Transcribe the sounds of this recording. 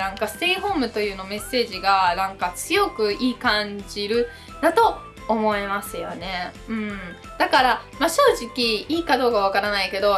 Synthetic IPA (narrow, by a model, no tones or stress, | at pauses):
ãŋkasɨ̥t̪eiɦo̞ːmɯ̟t̪o̞jɯ̟ːnome̞sːe̞ːʑiɡanãŋkat͡sɨjo̞kɯ̟iːkãɲd͡ʑiɾɯ̟ | d̪at̪o̞ː | mo̞emasɨjo̞̰ne̞ | ɯ̟̃ɴ | d̪̥akaɾamaɕo̞ːʑikʲiiːkad̪o̞ːkaβ̞akaɾanaike̞d̪o̞